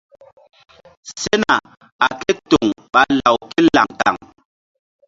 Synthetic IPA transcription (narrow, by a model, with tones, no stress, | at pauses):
se˦na˨ | a˨kɛ˦to˨ŋɓa˦la˨wke˦la̰˨ŋta̰˨ŋ